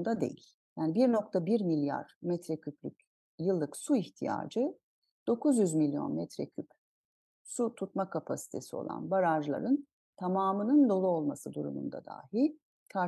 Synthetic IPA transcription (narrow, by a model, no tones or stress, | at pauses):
nd̪ad̪e̞̰jḭlʲ | jaːnibiɾno̞k̚t̪ʰabiɾmilʲja̰ɾmɛt̪ɾɛcʰyplʲyc | jɯlˠːɯksuiçt̪ʰija̰ːd͡ʒɯ | d̪̥o̞kʰuzjyzmilʲːjo̞̰nmɛt̪ɾɛcʰyp | sut̪ʰut̪makʰapʰasi̥t̪ʰe̞sio̞̰lˠa̰nbaɾaʒlˠa̰ɾɯn | t̪ʰamaːmɯnɯnd̪o̞lˠuo̞lˠmasɯd̪uɾṵmṵnd̪a̰d̪a̰ːɦi | kʰa